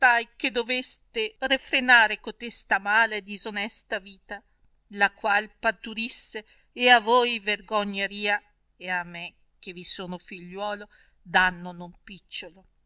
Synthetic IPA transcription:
sajked̪ovest̪erefɾenaːɾekot̪est̪amaːled̪izonɛst̪aviːt̪a | lakwalpart̪uɾisːeː | avojverɡoɲːeɾiːa | eamːe | k̟evisoːnofiʎːwɔːlo | d̪anːonompit͡ʃːolo

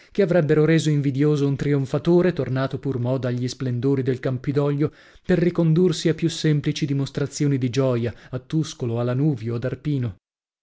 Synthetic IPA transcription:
keavɾɛbːeɾoɾeːzoiɱvid̪joːzount̪ɾioɱfat̪oːɾet̪ornaːt̪opurmɔːd̪aʎːisplend̪oːɾid̪elkampid̪ɔʎːo | perːikond̪ursiapːjusːɛmplit͡ʃid̪imost̪ɾat̪sːjoːnid̪id͡ʒɔːjaat̪ːuskoloalːanuːvjoad̪arpiːno

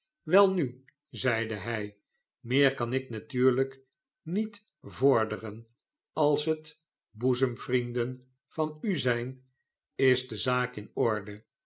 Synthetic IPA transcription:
ʋɛlˠny | zɛjdəɦɛj | mɪːɹkɑnɪknatyːɹlək | nit | vʊɹdərən | ɑlˠsɦət | buzəmvrindən | v̥ɑnyzɛjn | ɪzdəzaːkɪnɔɹdə

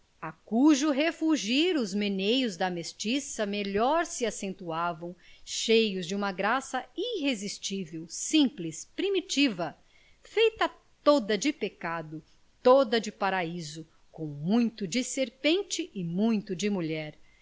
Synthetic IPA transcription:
akuʒʊɦefuʒiɾʊzmenejʊzd̪ɐmest͡ʃisɐmeʎɔɾsɪasẽnt̪uavɐ̃w̃ʃejʊzd͡ʒɪũmɐɡɾasɐiɦezist͡ʃivewsĩplispɾimit͡ʃivɐ | fejt̪ɐ | t̪od̪ɐd͡ʒɪpekad̪ʊ | t̪od̪ɐd͡ʒɪpaɾaizʊ | kõw̃mũj̃t̪ʊd͡ʒɪseɾpẽnt͡ʃɪʔɪmũj̃t̪ʊd͡ʒɪmuʎɛɾ

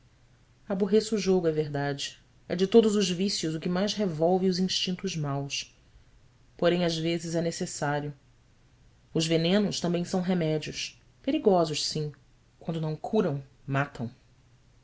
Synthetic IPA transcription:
abuɦesʒoɡʊɛveɦd̪ad͡ʒɪ | ɛ̰d͡ʒɪt̪od̪ʊzʊʒvisjʊzʊkɪmajzɦevɔwvɪʊzĩʃt͡ʃĩnt̪ʊzmaws | poɾẽj̃azvezɪzɛnesesaɾjʊ | ʊzvenẽnʊʃt̪ɐ̃mbẽj̃sɐ̃w̃ɦemɛd͡ʒiʊʃ | peɾiɡɔzʊʃsĩ | kwɐ̃nd̪ʊnɐ̃w̃kʰuɾɐ̃w̃ | mat̪ʰɐ̃w̃

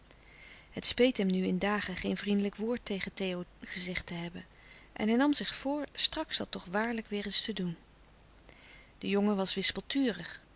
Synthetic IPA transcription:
ɦətspejtɦɛmnyɪndaːχəχejnvrindələkʋʊːɹtejχətejowχəzɛχtəɦɛbən | ʔɛ̰nɦɛjnɑmzɪχfʊːɹstrɑksdɑtɔχʋaːɹləkʋɪːɹɪstədun | d̥əjoŋəʋɑsʋɪspəlˠtyːrəχ

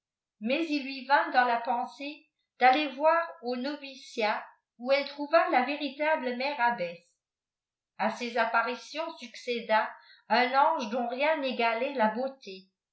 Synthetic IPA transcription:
mɛzilɥivɛ̃d̪ɑ̃lapɑ̃se | d̪̥alevwaʁonɔvisja | uɛlt̪χuvalaveʁit̪abləmɛʁabɛs | asezapaʁisjɔ̃syksed̪a | ɛ̃nɑ̃ʒd̪ɔ̃ʁjɛ̃neɡalɛlabot̪e

